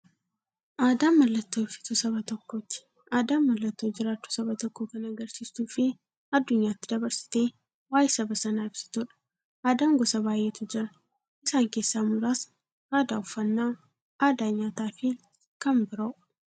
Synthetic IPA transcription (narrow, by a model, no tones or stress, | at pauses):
ʔaːd̪aːmːɐlːɐt̪ːo̞ːfɪ̥t̪ʊsɐβɐt̪ɔkːoːt̪ːɪ̥ | ʔaːd̪aːmːɐlːɐt̪ːoːd͡ʒɪɾaːt͡ʃ̪ːu̥sɐbɐt̪ɔkːoːkɐnɐɡɐɾsiːsuːfɪ | ɐd̪ːʊɲːaːt̪ːɪd̪ɐbɐɾsɪ̥t̪e̞ː | waːjsɐbɐsɐnaːɪb̥sɪ̥t̪uᶑɐ̥ | ʔaːd̪aːŋɡɔsɐbaːjːeːt̪ʊd͡ʒɪɾɐ | ʔɪsaːŋke̞ːsːaːmʊɾaːs | ʔaːd̪aːʊfːɐnːaː | aːd̪aːɲaːt̪aːfɪ | kɐmbɪɾɐ